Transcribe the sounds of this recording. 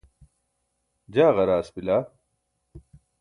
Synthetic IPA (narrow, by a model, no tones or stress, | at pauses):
d͡ʑaːɣɐɾaːsbilaː